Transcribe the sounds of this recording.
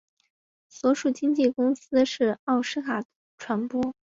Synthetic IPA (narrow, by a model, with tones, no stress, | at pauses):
swɔ˧˥ʂu˨˩t͡ɕi˥ŋt͡ɕi˥˩kʊ˥ŋsɹ̩˥ʂɻ̩˥˧ɑ˥˩ʊʂɻ̩˥kʰa˨˩d̪ə˦ʈ͡ʂʰwa˧˥npwɔ˥